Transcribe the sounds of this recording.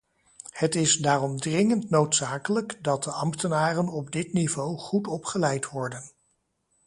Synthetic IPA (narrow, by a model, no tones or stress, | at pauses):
hətɪzdaːrɔmdrɪŋəntnowtsaːkələkdɑt̚dəʔɑmtənaːrənɔbdɪtnivowχutɔpχəlɛjtʋɔɹdən